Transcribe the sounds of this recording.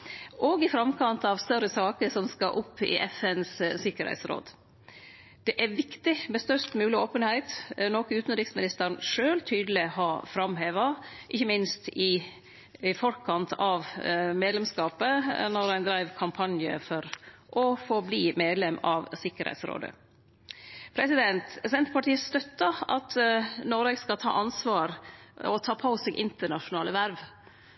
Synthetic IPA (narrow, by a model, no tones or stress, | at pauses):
ʔɔɡɪfɾɑmkʰɑnt̪ɑʋst̪œɾəsɑːkəsɔmskɑʔʊpʰːɪ̰ʔɛfɛnssɪkːəɾhæ̰ɪt̪sɾo̰ːd̪ | d̪̥ɛʔæɾʋɪkt̪ɪmɛst̪œʂt̪mʉːlɪoːpənhæɪt̪nɔkəʉːt̪n̩ɾɪksmɪnɪst̪əɾɳʂøːlt̪ʰyːd̪əlɪhɑfɾɑmɦeːʋɑʔɪçːəmɪnst̪ɪ | fɔɾkʰɑnt̪ʰɑʋmeːd̪lɛmskɑːpənɔɾæɪnd̪ɾæɪʋkʰɑmpʰɑnjə̰fɔɾʔɔfoːbliːmeːd̪lɛmɑʋsɪkːəɾhæ̰ɪt̪sɾo̰ːd̪ə̰ | pʰɾɛsɪd̪ɛnt̪sɛnt̪əpɑʈiːəst̪œt̪ːɑɑ̰t̪nɔɾeɡskɑlt̪ʰɑ̰ːʔɑnsʋɑːɾɔt̪ʰɑːpʰɑʊsɛɡʔɪnt̪əɳɑʂʊnɑːləʋæɾʋ